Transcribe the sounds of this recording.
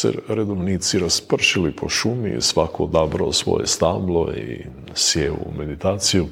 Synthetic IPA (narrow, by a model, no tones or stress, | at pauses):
sḛɾed̪oʋniːt̪siɾaspr̩ʃilipʰo̞ʃumḭsʋakood̪aːbɾaosʋo̞̰jest̪amlˠoḭ | sjeṵme̞d̪it̪aːt̪siju